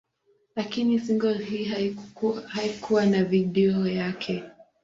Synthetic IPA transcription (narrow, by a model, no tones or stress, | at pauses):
lakinisiŋɡɔhiː | haikʰuwanaviɗɛɔjakʰɛ